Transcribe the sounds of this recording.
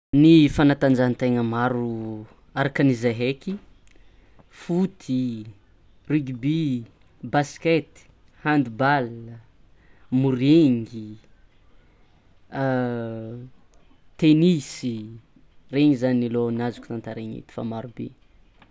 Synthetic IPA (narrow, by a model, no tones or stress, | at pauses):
nifanat̪and͡ʒant̪eŋəmaɾu | aɾakənizeɦeki | fut̪ʰi | riɡbi | basket̪i̥ | hand̪ibalə | muɾeŋɡi | t̪enisi | reŋizaninilonazu̥ku̥t̪ant̪aɾeɲḭt̪i̥fa̰maɾubḛ